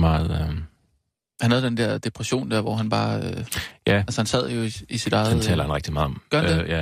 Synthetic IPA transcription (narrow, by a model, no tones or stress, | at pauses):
mɑ̈ːð̩ˠø | hænhæð̞̩ˠd̥end̥ɛɐ̰d̥e̝pʰʁɛɕo̝̰ːnd̥æɐʋɒɦænb̥ɑ̈ːøjæælsəhænsæð̰ˠjo̝iisid̥ɑ̈ɪdðˠt͡sʰɛ̰ːlɐhænʁeɡ̥d̥imɑ̈ːɒ̽mɡ̥ɶɐhædeæ